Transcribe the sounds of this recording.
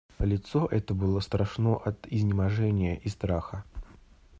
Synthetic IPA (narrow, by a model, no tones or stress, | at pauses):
lʲɪt̪soʔɛt̪əbɨlˠəst̪ɾɐʂnoʔɐt̪ɪzʲnʲɪmɐʐɛnʲɪjəʔist̪ɾaxə